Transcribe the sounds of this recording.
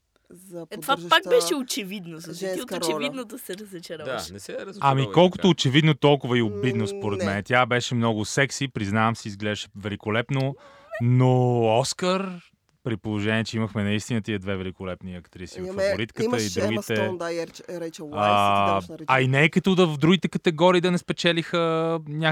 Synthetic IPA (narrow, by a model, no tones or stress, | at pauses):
t̪vapak̚bɛʃɛot͡ʃɛvid̪nozt̪ɛt̪iot̪ot͡ʃɛvid̪nod̪ɐsɛɾɐzɐt͡ʃɛɾaʃɛɛɾɐmikɔlˠkot̪oːt͡ʃɛvid̪not̪ɔlˠkʊvəiobid̪nospoɾɛt̪mɛnɛt̪ʲjabɛʃɛmnɔɡʊsɛksipɾiznavɐmsiːzɡlɛd̪əʃɛ̥vɛlikolɛpno | noɔskəɾ | pɾipolˠoʒɛnʲiɛt͡ʃɛiməxmɛnɐist̪inət̪iəd̪vɛvɛlikolɛpniɐkt̪ɾisivffɐvoɾit̪kət̪əid̪ɾuɡit̪ɛɾɛt͡ʃː | ɐinɛːkɐt̪ɔd̪ɐvɐvd̪ɾuɡ̟it̪ɛkɐt̪ɛɡɔɾiːd̪ɐnɛspɛt͡ʃɛlixənʲa